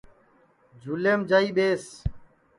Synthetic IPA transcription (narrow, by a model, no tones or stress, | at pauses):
d͡ʒʱuːleːmd͡ʒaːiːɓeːs